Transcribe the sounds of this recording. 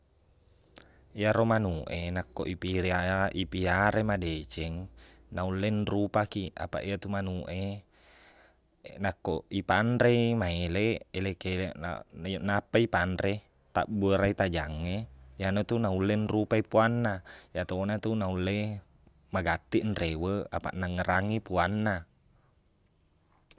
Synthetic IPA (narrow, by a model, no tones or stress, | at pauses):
iaɾomanuʔenakːoʔipiɾiaʔipiaɾemadet͡ʃɛŋnaulːenrupakia̰pa̰ʔiat̪umanuʔe | nakːoipanɾemaeleelekel̰jnapːaipanɾe | t̪a̰ʔbəɾait̪ad͡ʒaŋːejanot̪unaulːenrupaipuanːajat̪onat̪unaulːe | maɡat̪ːiʔnrewəa̰pa̰ʔnaŋəɾaŋipuanːa